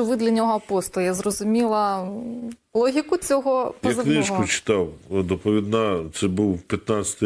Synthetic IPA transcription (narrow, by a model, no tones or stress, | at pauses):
ʊʋɪd̪lʲɐnʲɔɦɔɐpɔst̪ˠjazrɔzʊmʲilˠɐ | lˠɔɦʲikʊt͡sʲɔɦɔjɐzknɪʃkʊt͡ʃɪ̥t̪ɑwd̪ɔpɔʋʲid̪nɑt̪sɛbuwpʲjɐt̪nɑt͡sʲsʲɐ̥t̪ɪ